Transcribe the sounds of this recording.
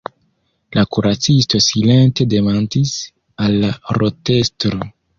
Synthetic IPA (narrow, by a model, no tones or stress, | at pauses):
lakuɾat͡sisto̞sile̞nte̞de̞mantis | alːaɾo̞te̞stɾo